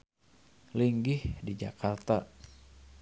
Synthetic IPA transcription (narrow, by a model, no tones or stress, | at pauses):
liŋɡɪhdid͡ʒakart̪a